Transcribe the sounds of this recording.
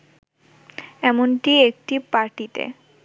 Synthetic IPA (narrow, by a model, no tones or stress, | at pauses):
ɛmonʈiek̚ʈipaɾʈit̪ḛ